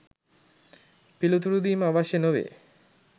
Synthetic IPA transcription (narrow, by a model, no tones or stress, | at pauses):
pilut̪uɾud̪iːmaʋaʃenoʋḛ